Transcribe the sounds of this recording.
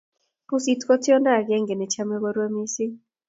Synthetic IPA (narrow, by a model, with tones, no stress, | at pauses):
pu˦si˦tkɔ˦tjɔ˦nda˦˨ɡɛ˦ŋɡɛ˨nɛ˨t͡ʃa˦mɛ˦wo˦ɾwa˦mi˦si˦